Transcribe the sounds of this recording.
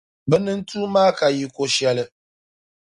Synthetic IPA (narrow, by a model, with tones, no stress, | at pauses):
bɛ˦nɨ˦n̩˦tuː˦maː˦ka˨ji˨ko˨ʃɛ˦lɨ˦